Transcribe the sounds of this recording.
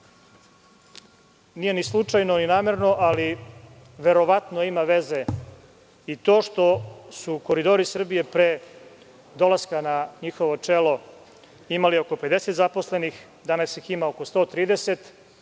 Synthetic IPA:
nije̞nislˠut͡ʂajnoninaːmeɾno̞ʔali | ʋe̞ɾo̞ʋat̪noimaʋe̞ze | it̪o̞ːʃt̪o̞suko̞ɾid̪o̞ɾisr̩bije̞pɾeː | d̪o̞lˠaskanaɲixoʋo̞t͡ʂelo̞ | imalioko̞ped̪ese̞t̪zaposle̞nix | d̪anasjiximaoko̞st̪o̞ːt̪ɾiːd̪eset̪

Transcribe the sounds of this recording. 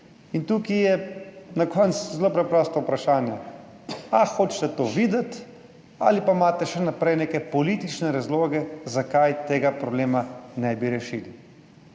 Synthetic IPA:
int̪uːkijɛnakʰɔnt̪szloːpɾɛpɾɔːst̪ɔupɾaʃaːnjɛ | axoːt͡ʃt̪ɛt̪oːʋiːd̪ɛt̪ | a̰ːlipamaːt̪ɛʃɛnapɾɛjneːkɛpɔliːt̪it͡ʃnɛɾazloːɡɛzakajt̪eːɡapɾɔbleːmanɛbiɾɛʃiːli

